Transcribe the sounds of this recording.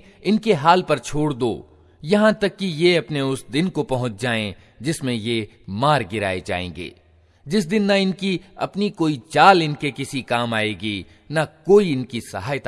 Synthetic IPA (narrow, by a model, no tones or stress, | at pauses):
ɪnkeɦaːlpɐɾt͡ʃʰoːɽd̪o̰ː | jɐɦãt̪ɐkːijeɐpneʊsd̪ɪnkopɐɦʊ̃t͡ʃd͡ʒaːẽ | d͡ʒɪsmẽjemaːɾɡɪɾa̰ːed͡ʒa̰ːḛ̃ːɡḛː | d͡ʒɪs̬d̪ɪnːaɪnkiɐ̰pnikoːit͡ʃaːlɪnkekɪsikaːmaːeːɡiː | nakoːiɪnkisɐ̰ɦaːjt̪